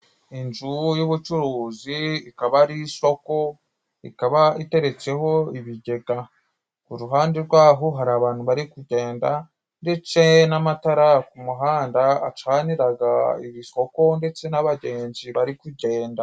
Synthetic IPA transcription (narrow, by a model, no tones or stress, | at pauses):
ind͡ʒujuβut͡ʃuɾuːziikaβaɾiso̞ko̞ | ikaβaite̞ɾe̞t͡se̞ho̞iβiɟe̞ɡa | kuɾuɦaːndeɾɡwaːɦoɦaɾaːβaːn̥huβaɾikuɟe̞ːnda | nde̞t͡se̞namataɾakumuɦaːndaat͡ʃaːniɾaɡa̰ḭβiso̞ko̞nde̞t͡se̞naβaɟe̞ːɲd͡ʒiβaɾikuɟe̞ːnda